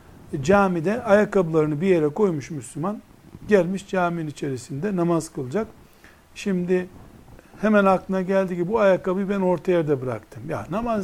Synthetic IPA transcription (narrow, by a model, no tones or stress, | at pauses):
d͡ʒaːmid̪ɛajakabɯlˠaɾɯnɯbije̞ɾɛkʰo̞jmuʃmyslʲuman | ɟælʲmiʃd͡ʒaːmiinit͡ʃʰe̞ɾisind̪ɛnamazkʰɯlˠd͡ʒak | ʃimd̪i | hɛmænaklˠɯnaɟælʲd̪iɟibibuajakabɯjbæno̞ɾt̪ʰajad̪abɯɾa̰kt̪ʰɯmja̰namaz